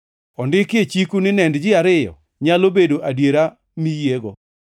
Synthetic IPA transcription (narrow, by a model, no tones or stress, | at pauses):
ɔndɪket͡ʃikunɪnɛndd͡ʒɪaɾɪjɔ̰ | ɲalobedoʔadjeɾa | mijeɡɔ